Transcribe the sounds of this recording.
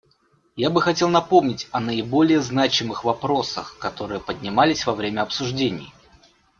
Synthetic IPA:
jabɨxɐtʲe̞lˠnɐpo̞mnʲɪtʲɐnəɪbo̞lʲɪjəznat͡ɕɪmɨxvɐpɾo̞sə̰xkɐt̪o̞ɾɨjəpədʲnʲɪmalʲɪsʲvɐvɾʲemʲəɐpsʊʐdʲenʲɪ̰j

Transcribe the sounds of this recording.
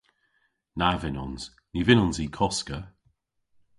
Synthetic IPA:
navɪnɔnz̥ | nivɪnɔnziːkʰɔskə

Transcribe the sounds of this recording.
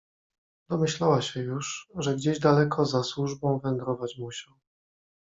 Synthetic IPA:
d̪ɔmɘɕlawaɕɛjuʂʐɛɡd͡ʑeʑd̪alɛkʰɔzaswuʐbɔ̃w̃vɛŋɡɾɔvat͡ɕmuɕaw

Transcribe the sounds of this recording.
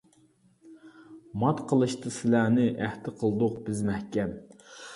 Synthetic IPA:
mɑt̪qʰəlˠɨʃt̪ʰɨsɪlænɪʔæht̪ɪqʰəlˠd̪ʊqbɪzmɛhkʲɛm

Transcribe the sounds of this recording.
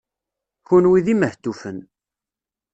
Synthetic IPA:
çunwiðiməht̪ːufən

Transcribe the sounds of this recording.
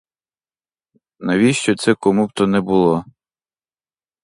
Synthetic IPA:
nɐʋʲiʃt͡ʃɔt̪sɛkɔmub̚t̪ɔnɛbʊlˠɔ

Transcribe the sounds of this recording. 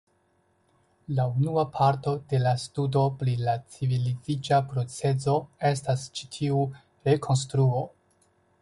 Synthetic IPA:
launuapʰaɾto̞de̞lastudo̞pɾilat͡sivilizid͡ʒapɾo̞t͡se̞zo̞e̞stast͡ʃi̥tʰiu | ɾe̞kʰo̞ns̬tɾuo̞

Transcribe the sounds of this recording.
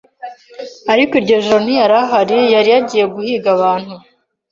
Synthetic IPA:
aɾikiɾɟo̞ʒonijaɾaɦaɾijaɾijaɟije̞ɡuhiːɡaβaːn̥hu

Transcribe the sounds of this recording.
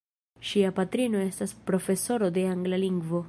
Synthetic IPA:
ʃiapatɾino̞e̞staspɾo̞fe̞so̞ɾo̞de̞aŋɡlaliŋɡvo̞

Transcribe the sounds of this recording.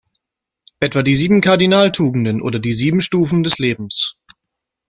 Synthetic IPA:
ʔɛtv̥aːdiːziːbm̩kʰaɐdinaːltʰuːɡŋ̩dənʔo̰ːdɐdiːziːbm̩ʃtuːfn̩dɛsleːbm̩s

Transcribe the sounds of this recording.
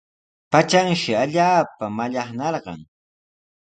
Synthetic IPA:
pat͡ʃaŋʃɪaʎaːpamaʎɑχnɑɾɢɑ̰ŋ

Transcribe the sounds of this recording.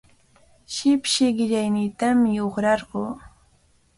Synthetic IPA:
ʃɪpʃɪɢɪʎajniːt̪amɪoχɾɑɾɢoː

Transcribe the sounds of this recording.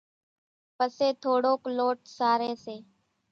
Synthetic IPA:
pəseːt̪ʰoːɽoːkloːʈ̚saːɾeːseː

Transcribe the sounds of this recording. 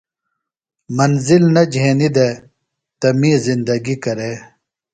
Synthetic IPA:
mɐnzilnɐd͡ʑʱeːnid̪e | t̪ɐmĩːzind̪ɐɡikɐɾeː

